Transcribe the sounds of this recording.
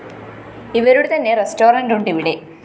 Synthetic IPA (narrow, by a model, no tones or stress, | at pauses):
iʋeɾuɽut̪ɐnːeɾesʈoːɾɐɳʈuɳɖiʋiɽe